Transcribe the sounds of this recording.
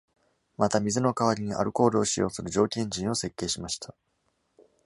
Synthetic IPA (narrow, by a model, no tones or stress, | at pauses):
mat̪amʲizɨno̞kaβ̞aɾʲiɲ̟iʔa̰ɾɯ̟ko̞ːɾɯ̟oɕijo̞ːsɨɾɯ̟d͡ʑo̞ːkʲẽ̞ɲ̟d͡ʑĩɰ̃o̞se̞kːe̞ːɕimaɕi̥t̪ʰḁ